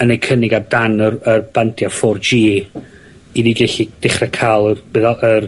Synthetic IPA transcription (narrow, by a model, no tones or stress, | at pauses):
ənekʰənɪɡadanərərb̥antʰjafɔrd͡ʒiː | idiɡɛɬid̥ɪχrɛkʰaːlˠərb̥ɪðər